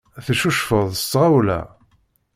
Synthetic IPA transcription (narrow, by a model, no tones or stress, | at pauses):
θʃuʃfəðˤəstːʁawlæ̰